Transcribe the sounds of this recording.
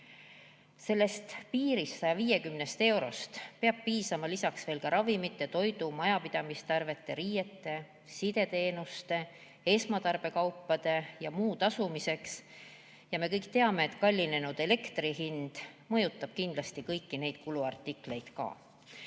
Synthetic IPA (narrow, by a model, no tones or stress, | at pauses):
se̞lːe̞st̪piːɾisːɑjɑviːje̞kymne̞st̪e̞wɾo̞st̪peɑb̥̚piːsɑmɑlisɑksve̞ːlkɑɾɑvimit̪ːˑe̞t̪o̞jd̪umɑjɑpid̪̥ɑmist̪ɑrve̞t̪ːˑe̞ɾiːje̞t̪ːˑe̞ | sid̪̥e̞t̪e̞ːnust̪e̞ | e̞smɑt̪ɑrb̥e̞kɑwpːɑd̪̥e̞jɑmuːt̪ɑsumise̞ks | jɑme̞kɤjkt̪eɑme̞ːt̪kɑlʲːine̞nud̪̥e̞le̞kt̪riɦind̪̥mɤ̞jut̪ːˑɑb̥̚kind̪̥lɑst̪ikɤjkːine̞jd̪̥̚kuluɑrt̪ːikle̞jd̪̥kɑ̰